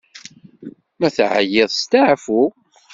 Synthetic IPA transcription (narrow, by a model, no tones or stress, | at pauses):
mæθʕə̰jɪðˤst̪aʕfu